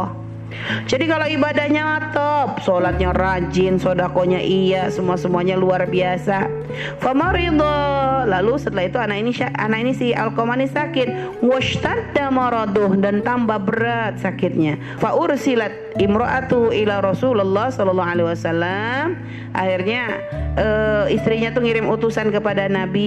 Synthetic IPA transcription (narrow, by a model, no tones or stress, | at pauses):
d͡ʒadikalowibadahɲawat̪ɔp̚solat̪̚ɲarad͡ʒɪnsodakoɲaʔijasəmuasəmuaɲaluarbiasa | famaɾid̪ˤɑlalusət̪əlaɦit̪uanainiʃaa̰nakinisɪha̰lkomanisakɪt̪̚ | waʃt̪ad̪amɑɾɑd̪ʊhdant̪ambahbəɾat̪̚sakɪt̪̚ɲa | faʔʊrsilat̪̚ɪmɾɔʔat̪uʔilaɾɑsulalːɑhsɔlɔlːɑalewasalːam | ʔa̰hirɲa | ʔəist̪ɾiɲat̪uŋiɾɪmut̪usankəpadanabi